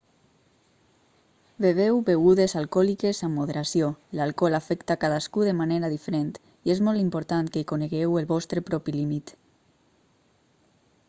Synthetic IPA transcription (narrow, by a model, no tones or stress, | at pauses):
beβ̞ewbeɣuðezalˠkɔlikezamːoðeɾasjolalˠkɔlafɛkt̪akaðaskuðemaneɾaðifeɾent̪ | iezmɔlˠt̪impoɾt̪ankeikoneɣewelˠβɔst̪ɾepɾɔpilimit̪